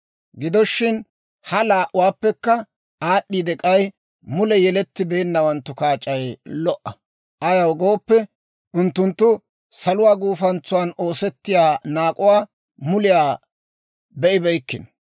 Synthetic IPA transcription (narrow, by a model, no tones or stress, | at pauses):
ɡɪd̪ɔʃːɪn | hɐlaːʔʊwaːpːɛkːɐ | aːɗːiːd̪ɛkʼɐj | mʊlɛjɛlɛt̪ːɪbeːnːɐwɐnt̪ːʊkaːt͡ʃʼːɐjlɔʔːɐ | ʔɐjɐwɡo̞ːpːɛ | ʔʊnt̪ːʊnt̪ːʊ | sɐlʊwaːɡuːfɐnt͡sːʊwaːno̞ːsɛt̪ːɪjaːnaːkʼʊwaː | mʊlɪjaː | bɛʔɪbɛjkːɪn